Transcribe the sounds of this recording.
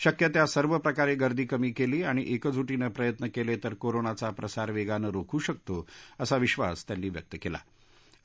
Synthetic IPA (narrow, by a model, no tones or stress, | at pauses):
ɕəkjət̪jasəɾʋəpɾəkaɾeɡəɾd̪ʱiːkəmiːkeliːaɽ̃iʔekəd͡zʱuʈiːnəpɾəjət̪nəkelet̪əɾkoɾonat͡sapɾəsaɾʋeɡanəɾokʰuːɕək̚t̪oəsaʋiɕʋa̰st̪janːiːʋjək̚t̪əkela̰